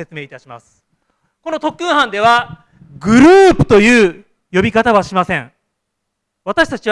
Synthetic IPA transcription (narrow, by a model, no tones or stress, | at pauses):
e̞t͡sɨmeːit̪aɕima̰sɨ̥ | ko̞no̞t̪o̞kːɯ̟̃ɰ̃hãnd̪e̞βa | ɡɯ̟ɾɯːpɯ̟̥t̪o̞jɯ̟ː | jo̞bʲikat̪aβaɕimasẽŋ | βat̪aɕi̥t̪at͡ɕi